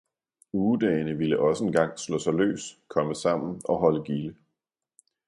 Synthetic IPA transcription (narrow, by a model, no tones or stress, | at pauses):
uːd̥ɛ̰ːnəʋiləʔɒ̽səe̝nɡ̥ɑ̈ŋ̰slɔ̰ːsɑ̈ɪlø̰ːskʰɒ̽məsɑ̈m̰n̩ɒ̽ɦɒ̽ləɡ̥ilə